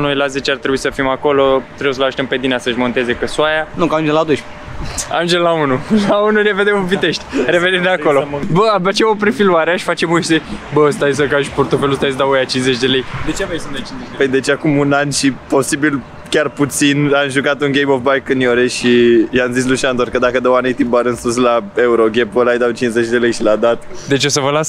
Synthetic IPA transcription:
nojlazet͡ʃart̪ɾebuisəfimako̞lo̞t̪ɾebjesəlaʃt̪empe̞d̪inasəɨʃmo̞nt̪e̞ze̞kəsuajanukaand͡ʒelad̪oʃ | a̰nd͡ʒellaunulaununeved̪emuvit̪e̞ʃt̪ʲɾe̞venimd̪eako̞lobəabat͡ʃemop̬ɾifiluaɾeaʃi̥fat͡ʃe̞musebəst̪ajs̬əkaʃport̪ofe̞lust̪ajs̬d̪aojat͡ʃinze̞t͡ʃʲd̪e̞lejd̪et͡ʃemajsɨnt͡ʃizepəjd̪e̞t͡ʃeakumunanʃipo̞sibil | kʲarput̪sinamʒukat̪unɡʲejmofbajkɨnjoɾeʃiamzis̬luʃiand̪orkəd̪akəd̪owanejt̪ibaɾɨnsus̬lae̞uɾoɡʲepolajd̪awt͡ʃinze̞t͡ʃʲd̪e̞lejʃilad̪at̪d̪e̞t͡ʃeosəvəlas

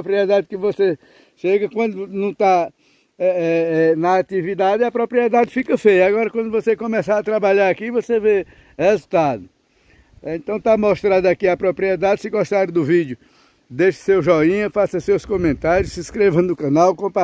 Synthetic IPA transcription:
pɾiɛd̪ad̪ɪkɪvose | ʃeɡɐkwɐ̃nd̪ʊnɐ̃w̃t̪a | ɛɛɛnɐːt̪ivid̪ad̪ɪɐpɾopɾiɛd̪ad͡ʒ̪ɪfikɐfejɐaɡɔɾɐkwɐ̃nd̪ʊvosekõmɛsaat̪ɾabaʎaɾakivoseve | hezut̪ad̪ʊ | ẽnt̪ɐ̃w̃t̪amoʃt̪ɾad̪ɐakiɐpɾopɾiɛd̪ad̪ɪsɪɡɔʃt̪aɾɪd̪ʊvid͡ʒ̪jʊ | d̪eʃɐ̥sewʒɔĩɲɐfasɐsewskõmẽnt̪aɾjʊssɪiskɾevɐ̃d̪ʊkɐ̃nawkõpa

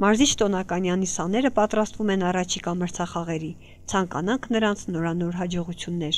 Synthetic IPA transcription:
mɑɾzit͡ʃʰt̪ɔnɑkɑnjɑnisɑnɛɾəpɑt̪ɾɑst̪vumɛnɑrɑt͡ʃʰikɑməɾt͡sʰɑχɑʁɛɾi | t͡sʰɑŋkɑ̰nɑŋkʰnəɾɑnt͡sʰnɔɾɑnɔɾɦɑd͡ʒɔʁut͡sʰjunːɛɾ

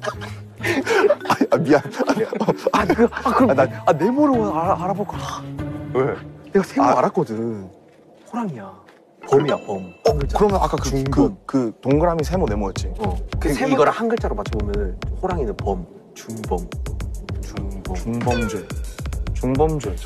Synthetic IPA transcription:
aamiaa | kɯakɯaane̞moɾɯmʌnaaɾabok͈a | weniɡasʰeaɾak͈ʌdɯn | hoɾaŋia | pʌmiapʌmʌŋɡt͡ɕkɯɾʌmjʌna̰k͈akɯŋkɯmkɯtoŋɡɯɾamisʰe̞monemojʌt̚t͡ɕ͈iʌkesʰeimoɡʌɾɯhanɡɯɭt͡ɕ͈aɾomat͡ɕʰɯbomjʌnɯnhoɾaŋinɯnpʌm | t͡ɕuŋbʌm | t͡ɕuŋbt͡ɕuŋbʌmd͡ʑet͡ɕuŋbʌmd͡ʑe

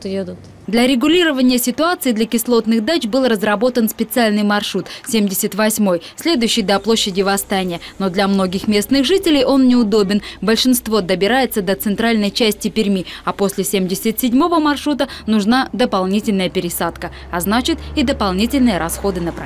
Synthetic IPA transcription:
t̪jed̪ʊt̪ | d̪lʲɐɾʲɪɡʊlʲiɾəvənʲɪjəsʲɪt̪ʊat̪sɨɪd̪lʲɐkʲɪslˠo̞t̪nɨxd̪at͡ɕbɨlˠrəzrɐbo̞t̪ənspʲɪt̪sɨalʲnɨjmɐrʂɾut̪sʲemdʲɪsʲət̪vɐsʲmo̞jsʲlʲe̞d̪ʊjʉɕːɪjd̪ɐplˠo̞ɕːɪdʲɪvɐst̪anʲɪjəno̞d̪lʲɐmno̞ɡʲɪxmʲe̞snɨxʐɨtʲɪlʲɪjʔo̞nːʲɪʊd̪o̞bʲɪnbəlʲʂɨnst̪vo̞d̪əbʲɪɾajɪt̪səd̪ət̪sɨnt̪ɾalʲnəjt͡ɕæsʲtʲɪpʲɪɾʲmʲiɐpo̞sʲlʲɪsʲemdʲɪsʲət̪ʲsʲɪdʲmo̞vəmɐrʂɾut̪ənʊʐnad̪əpalˠnʲitʲɪlʲnəjəpʲɪɾʲɪsat̪kə | ɐznat͡ɕɪt̪id̪əpɐlˠnʲitʲɪlʲnɨjəɾɐsxo̞d̪ɨnəp

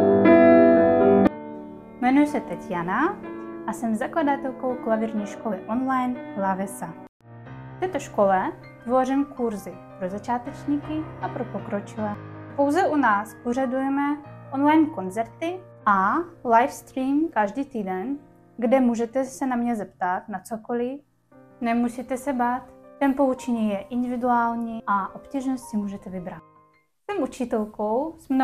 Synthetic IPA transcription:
mɛnujʊsɛt̪ɛcjanaʔasɛmzakladat̪ɛlkowklavɪɾɲiːʃkolɪʔonlajnlavɛsa | ft̪ɛːt̪o̞ʃko̞lɛ | t̪vo̞rɪmkuɾzɪ | pɾozat͡ʃaːt̪ɛt͡ʃɲiːkɪʔapɾopo̞kɾot͡ʃɪlɛːpowzɛʔunaːspoʒadujɛmɛʔonlajnko̞nt͡sɛɾt̪ɪ | ʔalajfst̪ɾiːmkaʒdiːt̪iːdɛn | ɡdɛmuːʒɛt̪ɛsɛnamɲɛzɛpt̪at̪nat͡sokolɪ | nɛmusit̪ɛsɛbaːt̪ːɛnpo̞ut͡ʃɛɲiːjɛʔɪnd̪ɪvɪduaːlɲiːʔaʔopciːʒnostimuːʒɛt̪ɛvɪbɾat̪̚ | sɛmʔut͡ʃɪt̪ɛlkowsmn

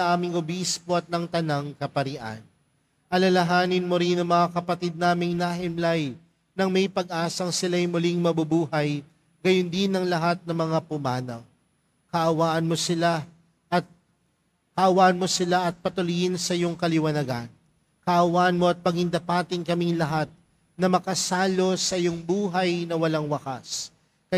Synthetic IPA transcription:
ʔaːmɪŋʊbispoɐt̪̚nɐŋt̪ɐnaŋkɐpɐɾɪʔa̰n | ʔɐlɐlɐɦaːnɪnmoɾɪnɐŋmɐŋakɐpɐt̪id̪̚naːmɪŋnaɦɪmlaj | nɐŋmɐjpɐɡ̚ʔaːsɐŋsɪlajmʊlɪŋmɐbʊbuːhɐj | ɡɐjʊnd̪ɪnɐŋlɐɦat̪̚nɐŋmɐŋapʊmaːnɐw | kɐʔɐwaːʔɐnmo̞sɪla | ʔɐt̪̚ | kɐʔɐwaːʔɐnmo̞sɪlaʔɐt̪̚pɐt̪ʊlʊjɪnsɐɪjoŋkɐlɪwɐnɐɡan | kɐʔɐwaːʔɐnmo̞ʔɐt̪̚pɐɡɪŋd̪ɐpaːt̪ɪŋkɐmiŋlɐɦat̪̚ | nɐmɐkɐsaːlo̞sɐʔɪjoŋbuːɦɐjnɐwɐlaŋwɐkas | kɐ

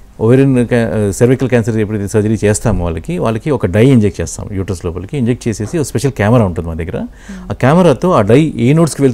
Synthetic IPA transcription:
oʋɐɾinkːsɐɾʋikɐlkʲaːnsɐɾepːuɽisɐd͡ʒɐɾit͡ʃeːst̪aːmuʋa̰ːɭːɐkiʋa̰ːɭːɐkiɔkɐɖɐjiɲd͡ʒek̚ʈ̚t͡ʃeːst̪a̰ːmjuːʈɐsloːpɐlɐkiiɲd͡ʒek̚ʈ̚t͡ʃeːseːsiokɐspeʃɐlkaːmɐɾaːuɳʈunimaːd̪ʱiɡɐɾɐ̰ | aːkʲaːmɐɾaːt̪oːaːɖɐjeːnoːʈskiʋeɭ

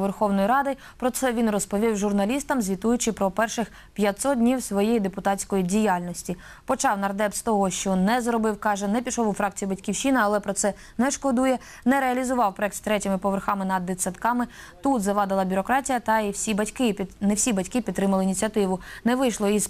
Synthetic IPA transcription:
ʋɛrxɔwnɔjiɾɑd̪ɪ | pɾɔt̪sɛʋʲinrɔspɔʋʲiwʒʊrnɐlʲist̪ɐmzʲʋʲit̪ujʊt͡ʃɪpɾɔpɛrʃɪx | pʲjɐt̪ʲsɔd̪̚dʲnʲiwsʋɔjijid̪epʊt̪ɑtt͡sʲkɔjidʲijɑlʲnɔsʲtʲi | pɔt͡ʃɑwnɐrd̪ɛpst̪ɔɦɔʃt͡ʃɔnɛzrɔbɪwkɑʒɛnɛpʲiʃɔwʊfɾɑkt͡sʲijibɐtʲkʲiwʃinɪɐlˠɛpɾɔt̪sɛ | nɛʃkɔd̪ujɛ | nɛɾeɐlʲizʊʋɑwpɾɔɛk̚t̪st̪ɾɛtʲɪmɪpɔʋerxɑmɪnɐd̪ːet͡sʲsʲɐt̪kɑmɪt̪ut̪zɐʋɑd̪ɪlˠɐbʲʊɾɔkɾɑtʲijɐt̪ɐiwsʲibɐtʲkɪnɛwsʲibɐtʲkɪpʲit̪t̪ːɾɪmɐlˠɪinʲit͡sʲiɐt̪ɪʋʊnɛʋɪjʃlˠɔiz

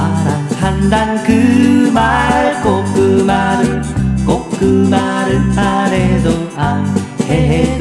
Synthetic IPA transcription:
aɾahand̪aŋkɯmakokːɯmaɾɯkokːɯmaɾɯaɾed̪oa | eɦ

